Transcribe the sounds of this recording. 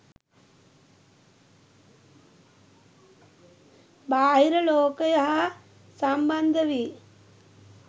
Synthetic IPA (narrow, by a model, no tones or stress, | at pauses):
baːɦiɾɐloːkɐjɐɦɐ | sɐmbɐnd̪ʱɐʋi